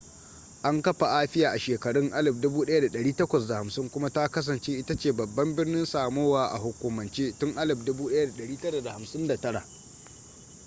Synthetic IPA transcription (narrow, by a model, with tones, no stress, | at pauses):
ʔa˦ŋkɐ˦ɸa˨ʔaː˦ɸɪ˦jaː˨ʔa˨ʃeː˨kɐ˨ɽɪ˦ŋʔa˦lɪ˨b̚dʊ˦buː˦ɗɐ˦ja˦da˨ɗɐ˨ɽiː˦tɐ˦kʷɐ˨sda˨ha˨msɪ˦ŋkʷʊ˦ma˦ta˦kɐ˦s̬ɐ˨nt͡ʃeː˦ʔɪ˦ta˦t͡ʃeː˨bɐ˨bːɐ˦mbɪ˦rnɪ˦nsaː˨moː˦waː˨ʔa̰˨ɦʊ˨kʷʊ˨mɐ˨nt͡ʃeː˦tʊ˦ŋʔa˦lɪ˨b̚dʊ˦buː˦ɗɐ˦ja˦da˨ɗɐ˨ɽiː˦tɐ˦ɾa˨da˨ha˨msɪ˦nda˨tɐ˦ɽa̰˨ʔ